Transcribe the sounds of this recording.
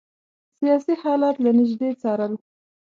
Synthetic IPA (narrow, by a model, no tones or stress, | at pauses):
sijɑsihɑlɑt̪lanɪʒd̪et͡sɑɾəl